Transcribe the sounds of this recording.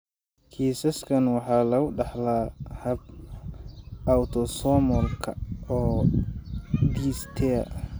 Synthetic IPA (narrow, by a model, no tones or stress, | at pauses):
kʰiːsɐskʰɐnwɑħɑːlɐʊɖɑħlaːhɐb̚ | awt̪ʰɔsɔːmɔlkʰɐ̰ɔː | d̪iːst̪ʰɛɐ̰